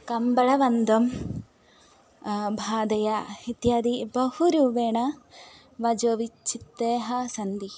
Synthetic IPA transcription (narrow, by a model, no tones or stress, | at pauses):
kɐmbɐɭɐʋɐnd̪om | bʱaːd̪ɐjahit̪jaːd̪ibɐhuɾuːʋeːɳɐ | ʋɐd͡ʒoːʋit͡ʃʰːit̪ːeːɦɐsɐnd̪i